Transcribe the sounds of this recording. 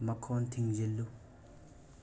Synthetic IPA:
məkʰont̪ʰiŋʑelːu

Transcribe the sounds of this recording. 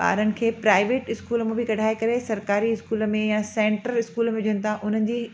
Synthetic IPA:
ba̰ːɾənɪ̆kʰeːpɾaːɪʋeːʈɪskuːləmẽbʱɪkɐɽ̤ʱaːekɐɾesɐɾkaːɾiɪskuːləmẽjasẽːɳʈəɾɪskuːləmẽd͡ʑənɪ̆t̪ʰaʔʊn̤ənɪ̆d͡ʑiː

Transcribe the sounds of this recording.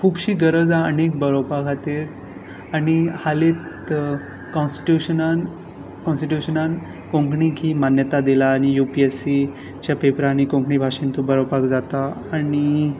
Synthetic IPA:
kʰuːbɕiːɡəɾəd͡zaənek̚bəɾopakʰat̪iːɾ | aɽ̃ihalit̪ | kɔ̃nsʈʈjuɕənan | kɔ̃nsʈiʈjuɕənan | kõŋkɳikʰiːmanjət̪ad̪ilaːɽ̃ijupiesi | t͡ɕjapepɾaɽ̃ikõŋkɳibʱaɕint̪ubəɾopakd͡zat̪aː | ɽi

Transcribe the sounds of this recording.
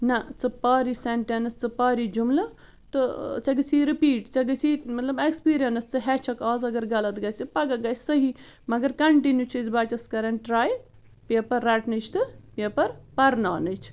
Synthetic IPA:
nɐt͡sɨpaːɾiseɳʈenɐst͡sɨpaːɾid͡ʒumlɐ | t̪ɨt͡sɐɡɨsiɾipiːʈt͡sɐɡɨsimɐt̪lɐbekspiːɾijɐnɐst͡sɨɦɛt͡ʃʰɐkaːzɐɡɐɾɡɐlɐt̪ɡɐːt͡sɨpɐɡɐɡɐːsəɦimɐɡɐɾkɐɳʈinjut͡ʃʰɨzbat͡ʃɐskɐɾɐnʈɾaːj | peːpɐɾːaʈnɨt͡ʃʰt̪ɨpeːpɐɾpɐɾnaːnɨt͡ʃʰ

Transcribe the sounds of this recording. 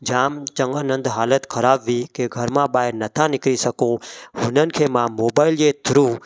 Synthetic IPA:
d͡ʒaːmt͡ʃə̃ŋɡaːnə̃nd̪ɦaːlət̪kʰəɾaːbʋikeɡʱəɾmãɓaːɦɪɾnət̪ʰãnɪkɾisəkõːɦʊnənɪ̆kʰeːmãmoːbaːɪljeːt̪ʰɾuː

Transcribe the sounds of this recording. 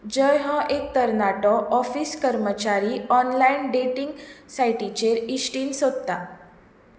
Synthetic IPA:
d͡ʑəjɦɔ̃ʔek̚t̪əɾnaʈɔʔɔfiːskəɾmət͡ɕaɾiːɔnlainɖeʈiŋɡsajʈit͡ɕeɾisʈiːnsod̪̚t̪a

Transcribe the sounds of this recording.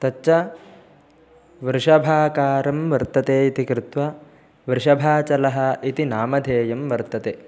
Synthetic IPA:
t̪ɐt͡ʃːt͡ʃːɐ | ʋɾʂɐbʱaːkaːɾɐmʋɐɾt̪ɐt̪eːit̪ikɾɪt̪ʋɐ | ʋɾʂɐbʱaːt͡ʃɐlɐɦɐ̆it̪inaːmɐd̪ʱeːjɐmʋɐɾt̪ɐt̪eː

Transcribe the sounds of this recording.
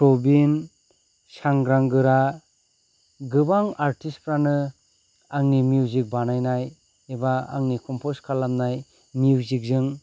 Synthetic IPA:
pɾobin | saŋɡɾaŋɡɯɾa | ɡɯbaŋaɾtispɾanɯ | aŋnimijuwzik̚banajnaj | ebaa̰ŋnikʰɔmpʰoskʰalːamnaj | miuzik̚zɯŋ

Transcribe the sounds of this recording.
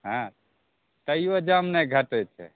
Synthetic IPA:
ɦã | t̪əijod͡ʒəmneɡʱəʈət͡ʃʰɛ̰

